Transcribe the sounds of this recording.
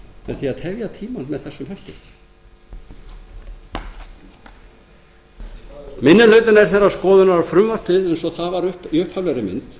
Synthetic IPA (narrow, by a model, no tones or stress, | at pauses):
mɛðθiaðt̪ʰɛvjat̪ʰiːmanmɛðθɛsːʏmhɛl̥t̪ɪ | mɪnːɪlœːɥt̪ɪnaɛɾ̥θɛrːaskɔːðʏnaɾafɾʏmvar̥t̪ɪðɛjnsɔɣθaðvaɾʏpʏhphavlɛɾɪmɪ̰nt̪